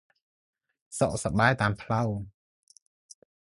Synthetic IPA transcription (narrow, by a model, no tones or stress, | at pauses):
sɔʔsaɓaːjt̪aːmpʰlaw